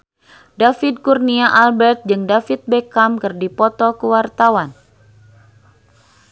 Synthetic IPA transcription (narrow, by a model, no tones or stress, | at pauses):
dafid̪̚kurniaʔalbɛrt̪̚d͡ʒɨŋdafit̪̚bekamkɨrdipɔt̪ɔkuwart̪awan